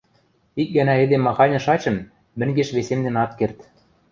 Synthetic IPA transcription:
ik̚ɡænæĕd̪emːɑxɑnʲɤ̆ʃɑt͡ɕɤ̆mː | ɘ̆ŋɡeʃβesemd̪ĕnɑt̪kert̪

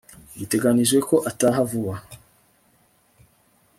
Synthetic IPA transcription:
bite̞ɡaniʒɡe̞ko̞ʔataɦavuwa

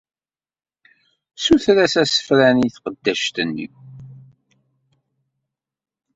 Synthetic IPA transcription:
suθɾæsæsə̥fɾæniθqəd̪ːæʃt̪ənːḭw

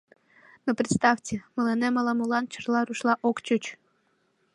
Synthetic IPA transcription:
nopɾʲɪt̪st̪ɑftʲəməlenemɑlˠɑmulɑnt͡ɕərlˠɑɾuʃlˠɑʔokt͡ɕot͡ɕ

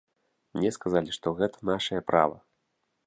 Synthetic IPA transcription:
mnʲɛskazalʲiʂt̪ɔɣɛt̪ʰɐ̥naʂɐjɐpɾʔa̰vɐ

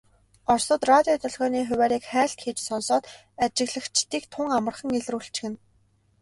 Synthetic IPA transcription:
ɔrsɞ̆t̪rat̪ʲiɔt̪ɵɮɣɔːniːxʊwæːɾiːkχæːɬt̪xeːt͡ɕsɔnsɔːt̪ | at͡ɕɪ̆ɣɮə̆xt͡ɕʰt̪iːk̚t̪ʰʊŋamə̆rχə̆ŋeɮruːɬt͡ɕ̆xɘ̆n

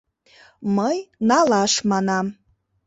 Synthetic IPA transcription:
məjnɑlɑʃmɑnɑm

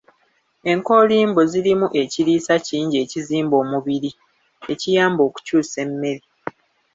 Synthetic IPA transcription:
e̞ŋko̞liːmbozilimuʔe̞ciɾiːsaciːɲɟe̞ːciziːmbo̞ːmuβiɾi | e̞cijaːmbo̞ːku̥cuːse̞mːe̞ɾi

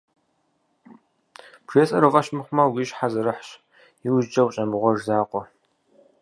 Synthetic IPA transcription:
pʰr̥eːsʼɐɾɨfʼɐɕmɨχʷʊmɐwiɕħazɐɾɨħɕ | iwʒd͡ʒɐwt͡ʃʼɐmɨʁʷɔʒzaːqʷʼɔ

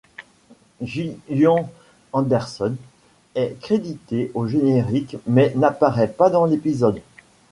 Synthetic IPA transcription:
ʒijɔ̃ | ɑ̃d̪ɛʁsɔn | ɛkχed̪it̪eʔoʒeneʁikmɛnapaʁɛpad̪ɑ̃lepizɔd̪

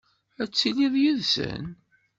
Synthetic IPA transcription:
æt͡sːiliðˤjuðsə̰n

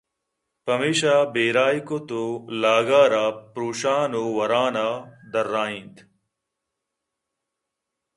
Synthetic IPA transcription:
pɐmiːʃaːbeːɾaːikot̪oːlaːɡaːɾaːpɾoːʃaːnoːʋɐɾaːnaːd̪ɐɾːaːĩnt̪

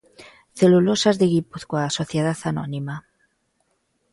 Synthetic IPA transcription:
θelulosazðeɣipuθkwasoθjeð̞aθano̰nima

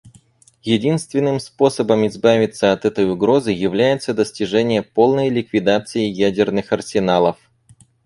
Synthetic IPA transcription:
jɪdʲinst̪vʲɪnːɨmspo̞səbəmɪzbavʲɪt̪səɐt̪ɛt̪əjʊɡɾo̞zɨjɪvlʲæjɪt̪səd̪əsʲtʲɪʐɛnʲɪjəpo̞lˠnəjlʲɪkvʲɪd̪at̪sɨɪjædʲɪrnɨxɐrsʲɪnalˠəf

